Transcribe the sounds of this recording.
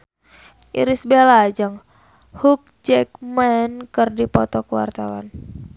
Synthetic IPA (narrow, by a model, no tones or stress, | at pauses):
ʔḭɾisbelad͡ʒəŋ | huk̚d͡ʒɛk̚mɛnkɨrdipɔt̪ɔkuwa̰rt̪awa̰n